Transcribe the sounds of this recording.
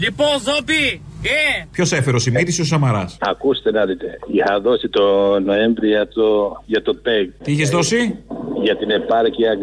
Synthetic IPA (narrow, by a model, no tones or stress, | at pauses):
lipozobiepço̞se̞feɾosimit̪isosɐmɐɾɐsɐkust̪e̞nɐðit̪e̞ixɐðo̞sit̪o̞noemvɾiɐt̪oʝɐt̪ot̪eɡt̪iiçe̞zðo̞siʝɐt̪ine̞pɐɾciɐ